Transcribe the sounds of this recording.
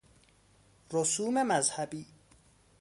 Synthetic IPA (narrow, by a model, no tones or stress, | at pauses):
ɾosuːmemæzhæbiː